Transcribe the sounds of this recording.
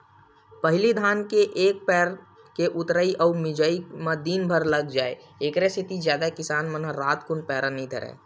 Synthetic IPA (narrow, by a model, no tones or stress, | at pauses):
pəɦɪlid̪ʱaːnkeʔeːk̚pɛːɾ | keʔʊt̪ɾəiʔɔːmɪd͡ʒəiməd̪inbʱəɾləɡd͡ʒaːe | eːkɾesʰit̪izjaːd̪akɪsaːnmənəɾaːt̪kʊnpɛːɾənəɦĩd̪ʱəɾɛ̰ː